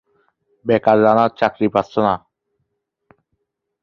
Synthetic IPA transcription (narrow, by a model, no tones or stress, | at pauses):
bɛkaɾzanaɾt͡ɕakɾipat̪sona